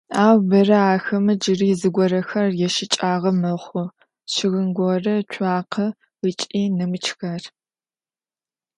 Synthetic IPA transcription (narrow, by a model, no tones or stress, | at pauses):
aːwbɐrɐaːxɐmɨd͡ʒɨriːzɨɡʷɔɾɐxɐrjɛʃɪt͡ʃʼaːʁɐmɐχʷʊ | ɕɪɣɨnɡʷɔrɐt͡ʃʷʰʼaːqʰɐ | ət͡ʃʼiːnɨmɨt͡ʃʰxɐr